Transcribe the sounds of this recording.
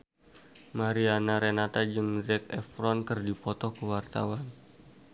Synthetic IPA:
maɾianaɾenat̪ad͡ʒɨŋzɛkɛ̰fɾɔnkɨrdipɔt̪ɔkəwart̪a̰wan

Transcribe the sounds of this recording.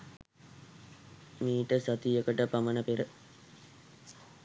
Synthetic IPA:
miːʈəsat̪ijəkəʈəpamənəpeɾə

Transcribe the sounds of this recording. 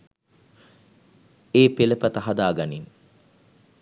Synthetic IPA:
eːpeləpɐt̪ɐɦad̪aːɡanin

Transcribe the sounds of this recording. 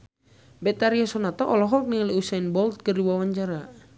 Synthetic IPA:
bɛt̪aɾiasɔnat̪ɔʔɔlɔɦɔk̚niŋaliusainbɔlt̪̚kərdiwawaɲt͡ʃaɾa

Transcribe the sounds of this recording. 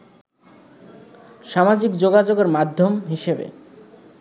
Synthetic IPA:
ʃamad͡ʑikd͡ʑoɡad͡ʑoɡeɾmad̪ʱːomɦiʃebḛ

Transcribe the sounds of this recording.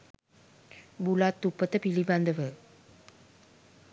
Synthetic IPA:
bulat̪ːupːət̪əpiliband̪əʋə

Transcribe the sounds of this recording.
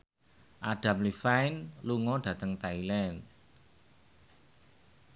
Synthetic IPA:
ʔaɖ̥ä̤mlifajnluŋɔɖ̥ä̤t̪əŋt̪ailɛn

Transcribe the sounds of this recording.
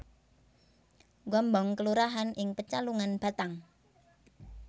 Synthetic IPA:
ɡɔmbɔŋkəluɾaɦanʔɪŋpət͡ʃaluŋanb̥a̤t̪aŋ

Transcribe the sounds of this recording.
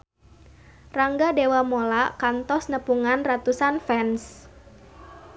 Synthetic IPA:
raŋɡadewamolakant̪ɔsnəpuŋanrat̪usanfɛns

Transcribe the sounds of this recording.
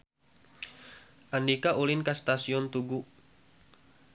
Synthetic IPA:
ʔandikaʔulinkast̪asiɔnt̪uɡu

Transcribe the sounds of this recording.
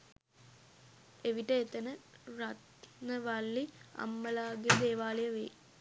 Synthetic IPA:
eʋiʈəet̪ənəɾat̪nəʋalːiɐ̰mːəlaːɡed̪eːʋaːlejəʋḛː

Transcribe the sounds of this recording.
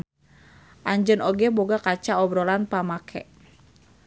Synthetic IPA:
ʔaɲd͡ʒənɔɡɛboɡakat͡ʃaɔbɾɔlanpamakʰɛ̰

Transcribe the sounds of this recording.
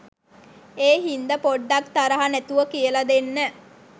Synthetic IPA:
eːɦind̪əpoɖːakt̪aɾəɦanæt̪uʋəkijəlad̪enːə

